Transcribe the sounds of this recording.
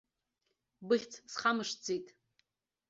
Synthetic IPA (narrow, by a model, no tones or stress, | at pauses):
bɨɬʲt͡sʰsχamɨʂd͡zʰʼitʼ